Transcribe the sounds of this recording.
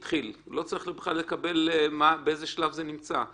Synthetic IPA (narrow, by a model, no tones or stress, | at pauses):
t̪χillo̞t͡saʁiχlebeχlale̞kabe̞lmabeezeʃlavzenimt͡sa